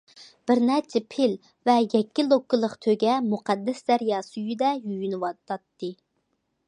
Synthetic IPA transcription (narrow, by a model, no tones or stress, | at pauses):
b̥ɪɾnɛt͡ʃʰɛpʰɪl | vɛjɛkʲːɪlˠokʰːɨlˠəqt̪ʰøɡʲɛmuqɑd̪ːɛsd̪ɛɾjɑːsyjyd̪ɛjyjynɨwɑt̪ɑt̪ːɨ